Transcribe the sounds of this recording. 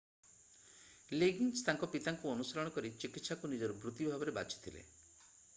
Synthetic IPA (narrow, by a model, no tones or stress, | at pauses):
leɡinst̪aŋkɔpit̪aŋkuɔnusɔɾɔɽ̃ɔkɔɾit͡ʃikit̪ːsakunid͡ʒɔɾubɾut̪ibʱabɔɾeba̰t͡ʃi̥t̪ʰilḛ